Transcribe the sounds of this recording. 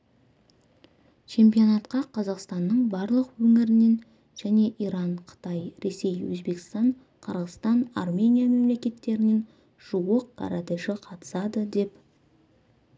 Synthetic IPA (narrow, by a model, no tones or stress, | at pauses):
t͡ʃʰe̞mpijo̞nɑt̪qɑqʰɑzɑqst̪ɑnːəɴbɑɾlˠəqwɵŋɪɾɪne̞n | ʒ̥æne̞ʔiɾɑɴqʰə̥t̪ɑjɾe̞se̞jwɵ̰zbe̞kʲɪ̥st̪ɑɴ | qʰəɾʁəst̪ɑnɑ̰rmʲe̞nijame̞mle̞kʲe̞t̪ːe̞ɾɪne̞n | ʒ̥uwəq̚ːʰɑ̰ɾɑd̪aʃɪqʰɑt̪ə̥sɑd̪əd̪e̞p